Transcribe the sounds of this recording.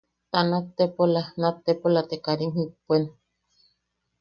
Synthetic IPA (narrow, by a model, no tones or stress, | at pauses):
t̪anat̪ːepolanat̪ːepolat̪ekaɾiŋhɨpuen